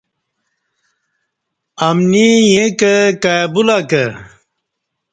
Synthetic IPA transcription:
ɐmnijẽkəkajbulakə

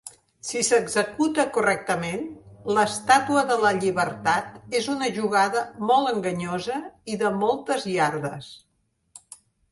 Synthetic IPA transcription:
sisəɡzəkut̪əkurɛk̚t̪əmenləst̪at̪uəðələʎiβəɾt̪at̪ezunəʒuɣ̞aðəmɔlˠtəŋɡəɲozəiðəmɔlˠt̪əzjaɾðəs

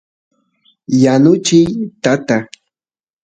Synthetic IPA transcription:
janʊt͡ʃɪjt̪at̪a

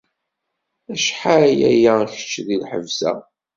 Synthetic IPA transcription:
æʃħaɾæjæ̰jæçə̥t͡ʃːðilħə̰vzæ̰

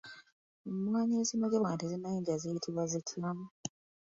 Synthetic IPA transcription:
umwaːɲeːsinoɟeβaːntezinajiːɲɟazetʰiβwazetʰamu

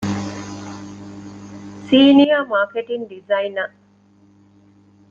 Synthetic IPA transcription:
siːnijamaːkeʈinɖizɐinɐ

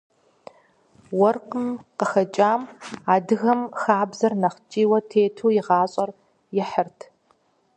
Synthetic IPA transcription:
wɔrqəmqəxɐt͡ʃʼaːmaːdɨɣɐmxaːbzɐrnɐχt͡ʃʼiːwɐtʰeːtʰuːjɪʁɑːɕʼɐr | jɪħərtʰ

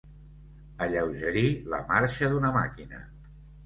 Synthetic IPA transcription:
əʎəwʒəɾilə̰maɾʃəðunəmakinə̰

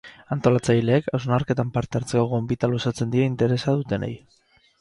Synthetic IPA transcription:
ant̪o̞lat͡sajle̞ːkawznaɾke̞t̪ampaɾt̪e̞aɾt͡sekoɣoembit̪alusat͡se̞nd̪iaint̪eɾe̞saðut̪e̞nḛj

